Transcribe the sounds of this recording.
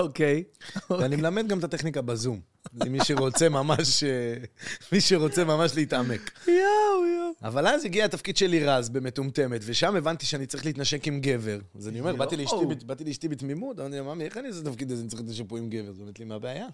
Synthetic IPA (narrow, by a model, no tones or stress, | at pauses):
okejanimelame̞d̪̚ɡamt̪at̪eχnikabazum | imːiʃeʁo̞t͡semamaʃ | miʃeʁo̞t͡semamaʃleit̪ame̞kjojoavalaziɡiaet̪afkid̥̪ʃeliʁazbe̞me̞t̪umt̪e̞me̞t̪ve̞ʃame̞vant̪iʃeanitt͡saʁiχlit̪naʃekimɡe̞ve̞ʁazanio̞meʁbatiliʃt̪ibbat̪iliiʃt̪ibit̪mimut̪amaʁt̪ilamamieχaniazot̪afkid̪azenitt͡sʁit̪leʃ̬epoimɡeveʁzeomet̪limeabeaja